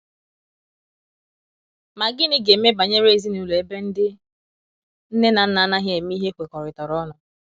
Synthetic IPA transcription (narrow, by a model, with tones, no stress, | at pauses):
ma˨ɡɪ˦nɪ˦ɡe˨˦me˦ba˨ɲe˦ɾe˦˨zi˦nu˨lo˨e˦be˦n̩˦dɪ˦ | n̩˦ne˦na˨n̩˦na˨˦na˦ɦje˨mi˦ɦe˦kʷe˨kɔ˨ɾɪ˨tɔ˨ɾɔ˦nɔ˨